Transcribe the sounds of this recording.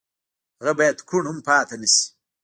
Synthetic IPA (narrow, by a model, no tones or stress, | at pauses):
ɣɐbajɐd̪kʰuɳhumpɑːt̪anis